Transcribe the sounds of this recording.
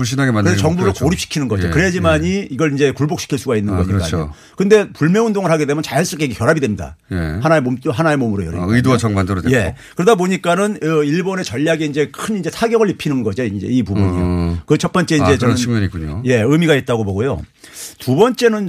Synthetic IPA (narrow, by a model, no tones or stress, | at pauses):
uɭɕ̬͈inaɡemakeʌŋbudokoɾip̚ɕ͈i̥kʰinɯnɡʌd͡ʑikɯɾeed͡ʑimaɲiiɡʌɾind͡ʑe̞kuɭbok̚ɕ͈i̥kʰiɭs͈uɡainːɯnɡʌɲika̰o | kɯnde̞puɭmjʌundoŋɯɭhaɡede̞mjʌnt͡ɕajas͈ɯɭk͈eiɡekjʌɾabidwemɲida̰jehanaemomt͈ɦanaemomuɾojo̰ɾ̰ɯidowat͡ɕʌŋbandoɾodje̞kɯɾʌdaboɲik͈anɯniɭbone̞t͡ɕʌʎːjaɡeind͡ʑe̞kʰɯnind͡ʑe̞sʰaɡjʌŋɯɭipʰinɯnɡʌd͡ʑiind͡ʑḛipubuɲḭjo̰kɯt͡ɕʰʌt̚p͈ʌnt͡ɕ͈e̞ind͡ʑe̞ʌiɡʌɲik͈uɲo̰je̞ɯmiɡait̚t͈aɡoboɡojo̰tubʌnt͡ɕ͈e̞nɯn